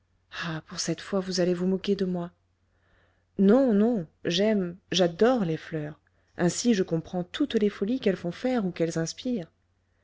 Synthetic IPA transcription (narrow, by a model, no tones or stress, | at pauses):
apuʁsɛt̪fwavuzalevumɔkʲed̪əmwa | nɔ̃nɔ̃ʒɛmʒad̪ɔʁleflœːʁ | ɛ̃siʒəkɔ̃pχɑ̃t̪ut̪lefɔlikɛlfɔ̃fɛʁukɛlzɛ̃spiːʁ